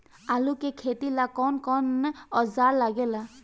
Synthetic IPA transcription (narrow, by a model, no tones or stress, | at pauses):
alukɛkʰetilakɔnkɔnɔzaɹlaɡɛla